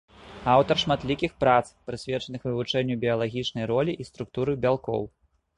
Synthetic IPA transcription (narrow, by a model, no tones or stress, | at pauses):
awt̪ɐrʂmat̪lʲikʲixpɾat̪spɾɨsʲvʲɛt͡ʂɐnɨxvɨvut͡ʂɛnʲːubʲiɐlˠaɣʲit͡ʂnɐjɾɔlʲiʔist̪ɾukt̪uɾɨbʲalˠkɔ̰w